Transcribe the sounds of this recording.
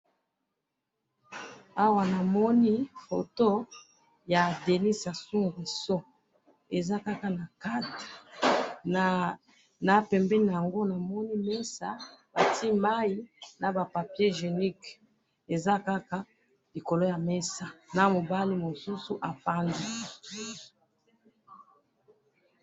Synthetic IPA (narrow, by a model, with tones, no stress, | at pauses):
a˦wa˦na˨mɔ˦ni˦fo˨to˦ | ja˨de˨ni˦sa˨su˦ŋɡe˨sɔ˦ | e˨za˦ka˦ka˨na˨ka˦t | na˨pɛ˨mbɛ˦n˨a˨a˨ŋɡo˦na˨mɔ˦ni˦mɛ˦sa˦ba˨tʰi˦ma˦i˦na˨ba˨pa˨pje˦ʒe˨ni˦k | e˨za˦ka˦ka˦ | li˨ko˨lo˦ja˨me˦sa˨na˦mo˨ba˦li˦mo˨su˦su˨ʔa˨fa˦ndi˦